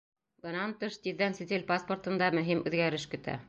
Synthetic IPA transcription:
bɤ̆nɑnt̪ɤʃt̪iðːænsɘ̆t̪ʲɘlʲpaspŏrt̪ɤ̆nd̪ɑmɵ̆ɦimʉðɡæɾɘʃkɵ̆t̪æ̰

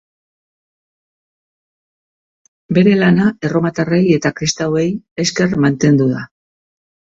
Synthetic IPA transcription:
be̞ɾe̞lanae̞ro̞mat̪are̞je̞t̪akɾist̪awe̞je̞ske̞rmant̪e̞nd̪uða

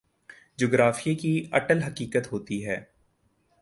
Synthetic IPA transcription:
d͡ʒoːɡɾaːfiekiɐʈəlɦɐkiːkət̪ɦoːt̪iɦɛː

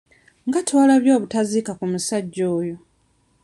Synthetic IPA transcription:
ŋɡatʰwalaβjo̞ːβutazikakumusaɟːoːjo̞

